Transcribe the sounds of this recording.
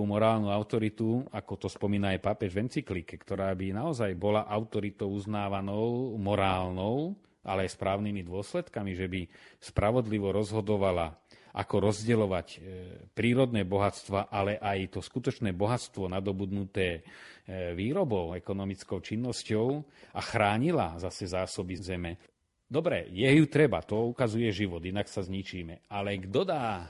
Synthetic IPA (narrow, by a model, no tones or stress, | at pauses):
umɔɾaːlnuaʊt̪ɔɾit̪uakɔt̪ɔspɔmiːnaːjpapɛʒʋɛnt͡siklikɛkt̪ɔɾaːbinaɔzajbɔlaʔaʊt̪ɔɾit̪ɔʊuznaːʋanɔʊmɔɾaːlnɔʊ | ʔa̰lɛajspɾaːʊnimid̪ʊɔslɛt̪kamiʒɛbispɾʔaʋɔd̪liʋɔɾɔzɦɔd̪ɔʋalaʔa̰kɔɾɔzɟɛlɔʋacpɾiːɾɔd̪nɛːbɔɦat͡st̪ʋaʔalɛʔajt̪ɔskut̪ɔt͡ʃnɛːbɔɦat͡st̪ʋɔnad̪ɔbud̪nut̪ɛː | ʋiːɾɔbɔʊɛkɔnɔmit͡skɔʊt͡ʃinːɔscɔʊ | axɾaːɲilazasɛzaːsɔbizɛmɛ | d̪ɔbɾɛjɛjut̪ɾɛba̰t̪ɔukazujɛʒiʋɔd̪inaksazɲit͡ʃiːmɛalɛɡd̪ɔd̪aː